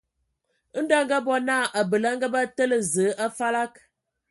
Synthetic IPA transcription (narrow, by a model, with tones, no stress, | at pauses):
n̩˦da˦ŋ̩˦ɡa˦bɔ˦na˦˨ʔa˨bə˨la˦ŋ̩˦ɡa˦ba˦tə˦lə˨zə˨˦ʔa˦fa˦la˦k̚